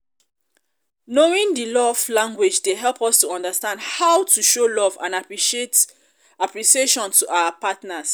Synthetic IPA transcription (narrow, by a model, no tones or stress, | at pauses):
noĩŋdilɔvlãŋɡwɪd͡ʒdeɦɛlˠpɔstuɔ̃ndəstãndhawtʰuʃolɔvã̰napɹiʃiet | apɹiʃieʃɔ̃ntʰuʔaʊəpatnas